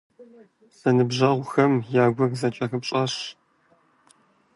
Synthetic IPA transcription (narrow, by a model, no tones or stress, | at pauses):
z̥ɐnɨbʒɐʁʷxɐmjaːɡʷɐrzɐt͡ʃʼɐxɨpɕʼɐɕ